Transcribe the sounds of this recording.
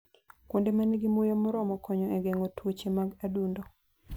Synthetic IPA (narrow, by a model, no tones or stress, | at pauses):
kwondemanɛɡɪmʊjɔmʊɾɔmɔkɔɲɔɛɡeŋotwot͡ʃemaɡadundo